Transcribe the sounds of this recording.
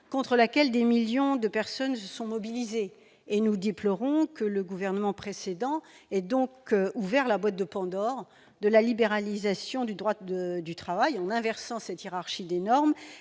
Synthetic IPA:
kɔ̃t̪χəlakʲɛld̪emiljɔ̃d̪əpɛʁsɔnsəsɔ̃mɔbilizeː | nud̪eplɔʁɔ̃kələɡuvɛʁnəmɑ̃pχesed̪ɑ̃ | ɛd̪ɔ̃kuvɛʁlabwat̪̚d̪əpɑ̃d̪ɔʁ | d̪əlalibeʁalizasjɔ̃d̪yd̪ʁwaəd̪yt̪χavajɑ̃nɛ̃vɛʁsɑ̃sɛt̪jeʁaʁʃid̪enɔʁm

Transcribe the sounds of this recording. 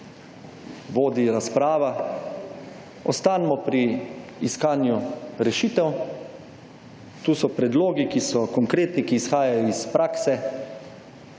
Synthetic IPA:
ʋoːd̪iɾaspɾaːʋa | ɔst̪aːnmɔpɾiːskaːnjuɾɛʃiːt̪ɛw | t̪uːsɔpɾɛd̪loːɡikisɔkɔŋkɾeːt̪nikiːsxaːjajɔispɾʔaːksɛ

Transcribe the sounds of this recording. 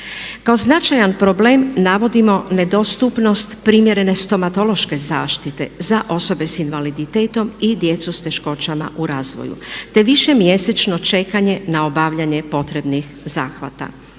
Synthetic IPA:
kao̞znat͡ʃajanpɾo̞bleːmnaʋo̞d̪imo̞ne̞d̪o̞st̪upno̞st̪pɾimje̞ɾe̞ne̞st̪o̞mat̪o̞lo̞ʃke̞zaːʃt̪it̪e̞̰zaʔo̞so̞be̞sinʋalid̪it̪e̞ːt̪o̞mid̪je̞t̪sust̪e̞ʃko̞t͡ʃama̰ʔuɾaːzʋo̰jṵt̪e̞ʋiʃe̞mje̞se̞t͡ʃno̞t͡ʃe̞kaɲe̞nao̞baʋʎaɲe̞po̞t̪ɾe̞bnixzaːxʋa̰t̪a̰

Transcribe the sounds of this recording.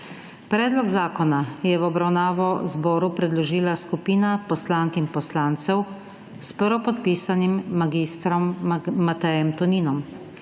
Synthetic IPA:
pɾɛːd̪lɔɡzaːkɔnajɛʋwɔbɾawnaːʋɔzbɔːɾupɾɛd̪lɔʒiːlaskupiːnapɔslaːŋkimpɔslaːnt̪sɛw | spəɾɔpɔt̪̚piːsanimːaɡist̪ɾɔmːat̪ɛjɛmt̪ɔniːnɔm

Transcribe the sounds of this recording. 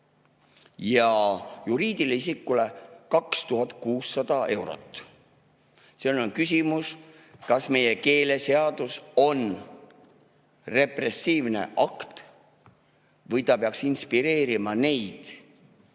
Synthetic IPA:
jɑjuɾiːd̪̥ilisikːˑulekɑkst̪uɦɑt̪ˑkuːsːɑd̪̥ɑe̞wɾo̞̰t̪ːˑ | senonkysʲimus | kɑsme̞je̞ke̞ːle̞se̞ɑd̪̥uso̞n | re̞pre̞siːvne̞̰ʔɑkt̪ | vɤjt̪ɑpeɑksinspiɾe̞ːɾimɑne̞jd̪̥

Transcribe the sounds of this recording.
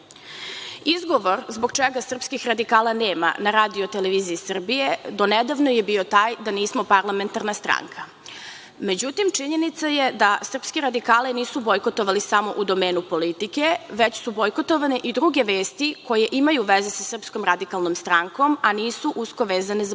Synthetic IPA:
izɡo̞ʋo̞ɾzboɡt͡ʃeɡasr̩pskixɾad̪ikaːlˠane̞ːma̰naɾaːd̪io̞t̪eleʋiːziːsr̩bije̞d̪o̞ned̪aʋnojebio̞t̪aːjd̪aniːsmo̞paɾlˠame̞nt̪aɾnast̪ɾa̰ŋkʰa | me̞d͡ʑut̪imt͡ʂiɲe̞nit̪sajed̪asr̩pskeɾad̪ikaːlɛniːsubo̞jko̞t̪oʋalisamo̞ʔud̪o̞meːnupo̞lit̪ike̞ʋet͡ɕsubojkot̪oʋaneʔid̪ɾuɡe̞ʋe̞ːst̪iko̞jeʔimajuʋezesasr̩psko̞mɾad̪ikalˠnomst̪ɾaŋko̞maniːsuʔusko̞ʋeːzanez

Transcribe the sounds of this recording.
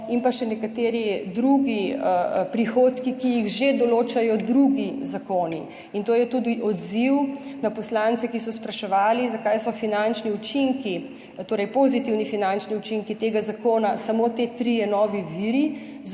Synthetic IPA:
impaʃɛnɛkat̪eːɾid̪ɾuɡiəpɾixoːt̪kikijiɣʒed̪ɔloːt͡ʃajɔd̪ɾuɡizakoːni | int̪oːjɛt̪uːd̪iʔɔd̪ziwnapɔslant̪sɛkisɔspɾɐʃɛʋaːlizakajsɔfinant͡ʃniut͡ʃiŋki | t̪oːɾɛjpozit̪iwnifinant͡ʃniut͡ʃiŋkit̪eɡazakoːnasamot̪et̪ɾijɛnɔːʋiʋiɾi

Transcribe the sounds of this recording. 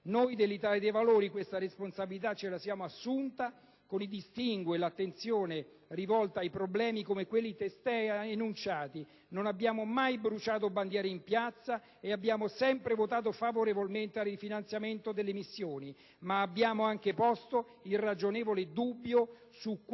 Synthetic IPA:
nojd̪elːit̪aːled̪ejvaloːɾikwest̪aɾesponsabilit̪̬at͡ʃːelasjaːmoasːunt̪a | konid̪ist̪iŋɡwelat̪ːent̪sjoːne | rivɔlt̪aːjpɾoblɛːmikomekwelːit̪est̪ɛenunt͡ʃaːt̪i | nonabːjaːmomajbɾut͡ʃaːt̪̬oband̪jaːɾeimpjat̪sːa | eabːjaːmosɛmpɾevot̪aːt̪̬ofavoɾevolment̪earrifinant̪sjament̪od̪elːemisːjoːni | maːbːjaːmoaŋk̟epɔst̪o | ilrad͡ʒonɛːvoled̪ubːjo | suk

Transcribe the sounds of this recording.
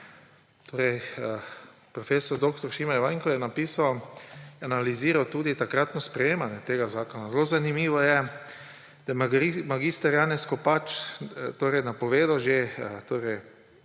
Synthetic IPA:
t̪ʰoːɾɛj | pɾɔfeːsɔɾd̪okt̪ɔɾʃimajʋajŋkɔjɛnapiːsawjɛanaliziːɾawt̪uːd̪it̪akɾat̪nɔspɾɛjeːmanjɛt̪eːɡazaːkɔnazlozanimiːʋɔjɛ | d̪̥amaɡist̪aɾjaːnɛskɔpat͡ʃt̪oːɾɛjnapɔʋeːd̪aʒet̪oːɾɛj

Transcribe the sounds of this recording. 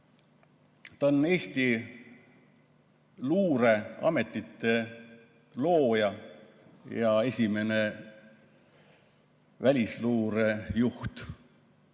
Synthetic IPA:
t̪ɑonːe̞ːsʲt̪i | luːɾe̞ɑ̰me̞t̪ˑːit̪ːe̞ | lo̞ːjɑ | jɑe̞sʲime̞ne̞ | vælʲisluːɾe̞juht̪

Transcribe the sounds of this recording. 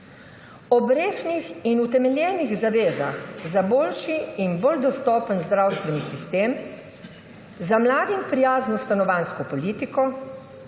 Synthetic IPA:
ɔbɾeːsnixinut̪ɛmɛljɛːniɣzaʋeːza̰xzaboːlʃiːnbold̪ɔst̪ɔːpənzd̪ɾawst̪ʋɛnisist̪eːm | zamlaːd̪impɾijaːznɔst̪anɔʋanskɔpɔliːt̪ikɔ

